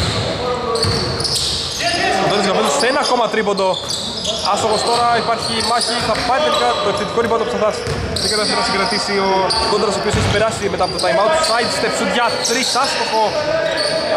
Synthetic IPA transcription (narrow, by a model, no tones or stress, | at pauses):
soðonozɣɐpezd̪osenɐko̞mɐt̪ɾipond̪o̞ | ɐst̪oxost̪o̞ɾɐipɐɾçimɐçiθɐpɐnit̪elikɐt̪oep̪set̪i̥koɾipot̪opost̪ɐfɾɐs | ekɐt̪ɐs̬eenɐsĩŋɡɾɐt̪isiokond̪ɾɐso̞pios̬eçipeɾɐsimeɐpot̪ot̪ɐjmɐwnt̪sɐjt̪st̪epsud̪ʝɐt̪ɾisɐst̪o̞xo̞